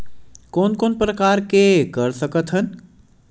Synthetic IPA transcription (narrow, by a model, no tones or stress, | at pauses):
koːnkoːnpɾəkaːɾkekəɾsəkət̪ɦən